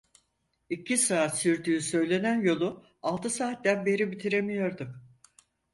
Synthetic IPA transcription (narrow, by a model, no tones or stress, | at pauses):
icʰisaːt̪syɾd̪yːsø̞jlʲe̞nænjo̞lˠu | alˠt̪ʰɯsaːt̪̚d̪ænbe̞ɾibit̪ʰiɾemijo̞ɾd̪um